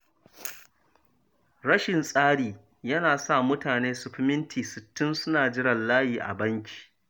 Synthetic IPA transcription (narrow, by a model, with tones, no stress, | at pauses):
ɽɐ˦ʃɪ˨nsʼaː˦ɽiː˨ | jɐ˦naː˨sa˦˨mʊ˦taː˨neː˦sʊ˨ɸɪ˦mɪ˦ntʰiː˨sɪ˨tːɪ˦nsʊ˦naː˨d͡ʒɪ˦ɽɐ˨nlaː˦jiː˨ʔa̰˨bɐ˦ŋkʲʰi̥ː˨